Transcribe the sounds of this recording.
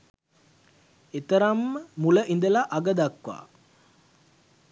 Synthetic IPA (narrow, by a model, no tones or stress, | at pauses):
et̪əɾamːəmuləʔind̪əlaʔaɡəd̪akʋa̰ː